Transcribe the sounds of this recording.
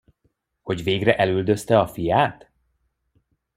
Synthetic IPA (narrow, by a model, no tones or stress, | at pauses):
ho̞ɟveːɡrɛʔɛlyld̪ø̞st̪ɛɒfijaːt̪